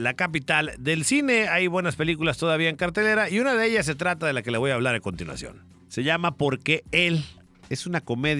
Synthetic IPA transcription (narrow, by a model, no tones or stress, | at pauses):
lakap̬it̪ald̪e̞lsine̞ajβwe̞naspe̞likulast̪o̞ðaβ̞iae̞ŋkaɾt̪e̞le̞ɾaiunaðe̞eʝas̬e̞t̪̬ɾat̪að̞e̞lake̞laβo̞jaːβ̞laɾako̞nt̪inwa̰sjo̰n | se̞ʝamapo̞ɾke̞el | e̞sunako̞me̞ð